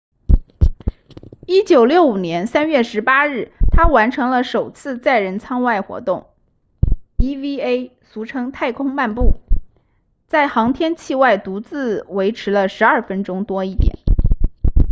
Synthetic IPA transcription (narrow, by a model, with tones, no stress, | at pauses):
i˥t͡ɕjo˨˩ʊljo˥˩ʊu˨˩njɛ˧˥nsa˥nɥɛ˥˩ʂɻ̩˧˥pa˥ɻɻ̩˥˩t̪ʰa˥wa˧˥nʈ͡ʂʰɤ˧˥ŋlə˧ʂo˨˩ʊt͡sʰɹ̩˥˧t͡sa˥˩ɪɻə˧˥nt͡sʰɑ˥ŋwa˥˩ɪxwɔ̰˧˥t̪ʊ˥˩ŋ | i˥vi˥e˥ɪ | su˧˥ʈ͡ʂʰɤ˥ŋt̪ʰa˥˩ɪkʰʊ˥ŋma˥˧npu˥˩ | t͡sa˥˩ɪxɑ˧˥ŋt̪ʰjɛ˥nt͡ɕʰi˥˧wa˥˩ɪt̪u˧˥t͡sɹ̩˥˩we˧˥ɪʈ͡ʂʰɻ̩˧˥lə˧ʂɻ̩˧˥ɐ˞˥˩fə˥nʈ͡ʂʊ˥ŋt̪wɔ˥i˥˩t̪jɛ̰˨˩˦n